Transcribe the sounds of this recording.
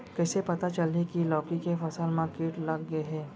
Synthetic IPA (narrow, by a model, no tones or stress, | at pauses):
kɛːsepɐt̪at͡ʃɐlnikilɔːkikefɐsəlmãkiːʈlɐɡːɐeɦɛː